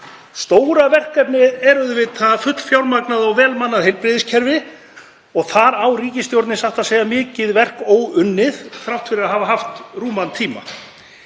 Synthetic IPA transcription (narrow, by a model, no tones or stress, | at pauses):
st̪oːwɾavɛr̥kɛpnɪðɛɾʏðvɪðʰaðfʏt̪l̥fjawɾmaknaðawvɛːlmanːaðhejlpɾɪðɪscʰɛɾvɪ | ɔɣθaɾawriːcɪst̪jowɾt̪nɪsaht̪aðseːjɣamɪːcɪðvɛr̥koːwʏnːɪðθɾaw̥t̪fɪɾɪɾaðɦaːvaɦaft̪ruːmant̪ʰiːma̰